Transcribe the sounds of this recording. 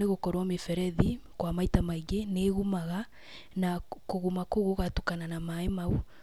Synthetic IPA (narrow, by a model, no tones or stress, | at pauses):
eɣokɔɾwamefɛɾɛðikwamaitamaiɡeneɣumaɣa | nakoɣumakoɣoɣatokananamaemau